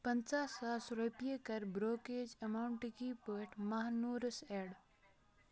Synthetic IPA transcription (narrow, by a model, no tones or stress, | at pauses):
pɐnt͡ʃaːsaːsɾupijekɐɾbɾoːkeːd͡ʒɐmaːwɳʈikiːpəːʈʰmaɦnuːɾəseːɽ